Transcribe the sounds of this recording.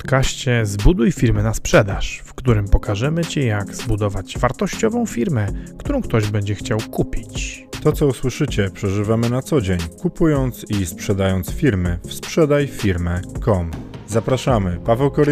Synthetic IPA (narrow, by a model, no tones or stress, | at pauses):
t̪kaɕt͡ɕɛzbud̪ujfʲiɾmɘnaspʂɛd̪aʂfkt̪uɾɘmpɔkaʐɛmɘt͡ɕɛjaɡz̥bud̪ɔvad͡ʑvaɾt̪ɔɕt͡ɕɔvɔ̃w̃fʲiɾmɛkt̪uɾɔ̃w̃k̚t̪ɔʑbɛɲd͡ʑɛxt͡ɕawkupʲit͡ɕt̪ɔt̪sɔuswɘʂɘt͡ɕɛpʂɛʐɘvamɘnat̪sɔd͡ʑeɲkupujɔnt̪sispʂɛd̪ajɔnt̪sfʲiɾmɘfspʂɛd̪ajfʲiɾmɛkɔmzapɾaʂamɘpavɛwkɔɾ